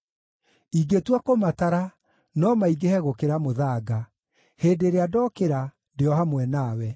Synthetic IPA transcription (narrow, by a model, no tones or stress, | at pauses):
iɡetwakomataɾa | nɔmaiɡehɛɣokeɾamoðaːɡa | heːdeɾeadɔkeɾa | ndeɔhamwɛnaːwɛ